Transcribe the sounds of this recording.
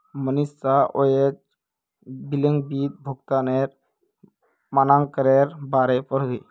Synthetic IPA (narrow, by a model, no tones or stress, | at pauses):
mənistaʔojet͡ʃ | biləŋbit̪̚bʱɔɡt̪aneɾ | manaŋkəɾeɾbaɾepɔɾd̪ij